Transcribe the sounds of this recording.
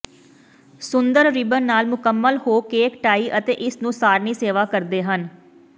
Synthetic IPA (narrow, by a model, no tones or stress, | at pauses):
sʊnd̪əɾɾɪbənnaːlmʊkəmːəlhoːkeːkʈaːiːʔət̪ḛːʔɪsnũːsaːɾniːseːʋaːkəɾd̪eːɦən